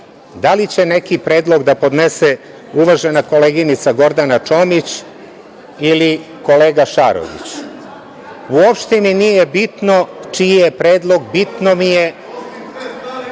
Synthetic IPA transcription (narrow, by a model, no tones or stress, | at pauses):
d̪alit͡ɕe̞ne̞kipɾe̞ːd̪lˠo̞ɡd̪apo̞d̪nese | uʋaʒenako̞leɡinit̪saɡo̞ɾd̪anat͡ʃo̞mit͡ɕ | ili | ko̞le̞ːɡaʃa̰ɾo̰ʋḭt͡ɕ | uopʃt̪iminijebit̪no̞t͡ʃijepɾe̞ːd̪lˠo̞ɡbit̪no̞mije̞